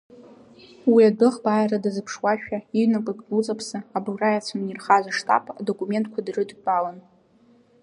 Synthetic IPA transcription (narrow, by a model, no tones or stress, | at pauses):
wiadɨχbaːjradazɨpʰʂwaʃᶣaiɥnakʼɨkʼut͡sʼapʰsɨablrajat͡sʷʰanirχazʷaʂtʼa̰pʼa̰do̞kʼume̞ntʼkʷʰadrɨdbʼalan